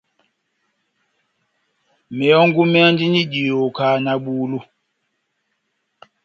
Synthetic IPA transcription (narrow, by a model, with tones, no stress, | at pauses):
mɛ˨ɔ˦ŋɡu˦mɛ˦a˦ndi˦ni˦ɟi˨o˨kaː˨na˨ɓuː˨lu˦